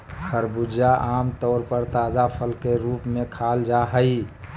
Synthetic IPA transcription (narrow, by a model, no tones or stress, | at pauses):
xʰəɾbud͡ʒaʔaːmt̪ɔːɾpəɾt̪aːzapʰəlkeɾuːpmẽkʰaːld͡ʒaɦəi